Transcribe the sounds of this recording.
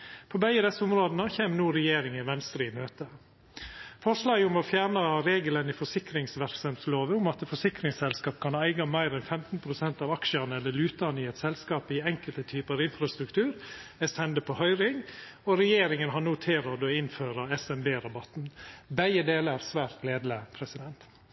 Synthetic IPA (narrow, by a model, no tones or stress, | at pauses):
pʰɔbæɪəd̪ɛsːəʊmɾoːd̪ənəçeːmnuːɾɛjeːɾɪŋɪʋɛnst̪ɾimøːt̪ə | fɔʂlɑːɡəʊmɔfjæːɾɳɑɾeːɡələnɪfɔʂɪkɾɪŋsʋæɾksɑmsloːʋəʊmɑt̪fɔʂɪkɾɪŋsɛlskɑːpkʰɑnæɪɡɑmæɪɾɛnfɛmt̪n̩pʰɾʊsɛnt̪ɑːʋɑkʃəɑnəɛlːəɭʉːt̪ɑnəɪɛt̪sɛlskɑːpɪɛŋkəlt̪ət̪ʰyːpəɑʋɪnfɾɑst̪ɾʉkt̪ʰʉːɾɛst̪ɛnd̪əpʰɔhœʏɾɪŋ | ɔɾɛjeːɾɪŋənɦɑnoːt̪ʰɪlɾoːd̪ɔɪnføːɾɑɛsɛnbeːɾɑbɑt̪n̩bæɪəd̪eːləæɾsʋæːɾt̪leːd̪ləpʰɾɛsɪd̪ɛnt̪